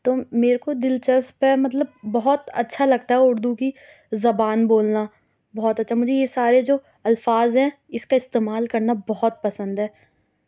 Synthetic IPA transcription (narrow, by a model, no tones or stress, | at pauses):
t̪oːmeːɾkod̪ɪlt͡ʃəspemɐt̪̬ləbːɐɦɔt̪ɐ̰tːʃʰalɐɡ̚t̪aɦɛʊɾd̪uki | zɐbaːnboːlna | bɔːɔt̪ɐtːʃʰamʊd͡ʒʱejesaːɾed͡ʒoː | ɐlfaːzɦɛ̃ | ɪskaɪst̪eːmaːlkɐɾnabɔɦɔt̪̚pɐsə̃nd̪ɦɛː